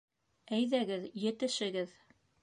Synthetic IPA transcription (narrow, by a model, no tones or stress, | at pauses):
æjðæɡɘðjɘ̆t̪ɘ̆ʃɘ̆ɡɘð